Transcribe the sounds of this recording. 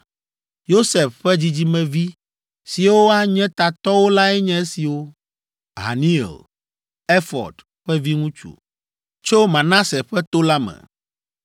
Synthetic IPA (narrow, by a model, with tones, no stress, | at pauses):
jo˦se˨fɸɛ˦d͡ʑi˦d͡ʑi˦mɛ̃˨vi˦ | si˨wo˦a˦ɲɛ̃˦t̪a˨t̪ɔ˦wo˦la˦ɛ˦ɲɛ̃˦e˦si˨wo˦ | ɦa̰˨nĩ˦ɛ̰˨l | ɛ˦fɔ̰˨d | ɸɛ˦vi˦ŋũ˦t͡ʃṵ˨ | t͡ʃo˦mã˨nã˦sɛ˨ɸɛ˦t̪o˦la˦mɛ̰̃˨